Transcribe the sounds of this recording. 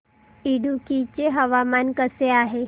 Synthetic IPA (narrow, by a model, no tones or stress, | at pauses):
iɽukit͡ɕeɦəʋamankəseaɦe